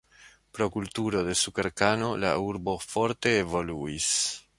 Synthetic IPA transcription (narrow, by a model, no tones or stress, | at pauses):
pɾo̞kultuɾo̞de̞suke̞ɾkano̞la̰uɾbo̞fo̞ɾte̞ːvo̞luis